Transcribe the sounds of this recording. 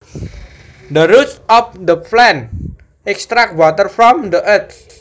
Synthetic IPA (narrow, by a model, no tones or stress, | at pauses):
d̪əɾutsɔfd̪əplɛn | ɛkst̪ɾak̚t̚wɔt̪ərfɾɔmd̪əʔət̪